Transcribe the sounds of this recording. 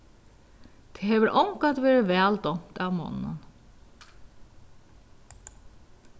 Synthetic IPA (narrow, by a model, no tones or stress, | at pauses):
t̪ʰehɛːʋəɾʔɔwŋkat̪ʋeːɾɪʋɛːld̪ɔm̥t̪aʋmɔ̰nːə̰n